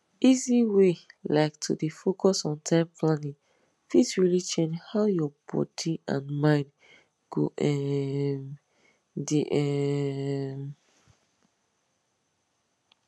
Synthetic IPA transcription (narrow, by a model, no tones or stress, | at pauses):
iziwelaɪktʰṵdifokʰɔsɔ̃ntʰãɪ̃mpʰlãnĩŋ | fitsɹilit͡ʃɛ̃nd͡ʒhaʊjɔbɔ̰diã̰nmãɪ̃n | ɡ̥o̰ʔɛm | diʔɛ | m